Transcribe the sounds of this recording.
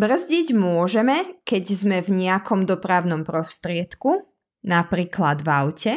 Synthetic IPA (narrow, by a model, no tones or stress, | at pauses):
br̩zɟiɟmʊɔʒɛmɛkɛɟzmɛvɲɛakɔmd̪ɔpɾaʊnɔmpɾɔst̪ɾɪɛt̪ku | napɾiːklad̪vaʊcɛ